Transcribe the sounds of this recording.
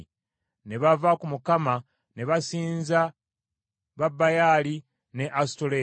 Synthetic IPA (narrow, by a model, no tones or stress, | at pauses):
ne̞βavakumukama | ne̞βasiːnza | βabːajaːli | ne̞ʔastole